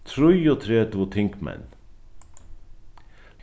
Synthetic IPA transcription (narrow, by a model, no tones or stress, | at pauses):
t̪ʰɾʊjot̪ʰɾeːt̪ʋot̪ʰɪŋkmæ̰n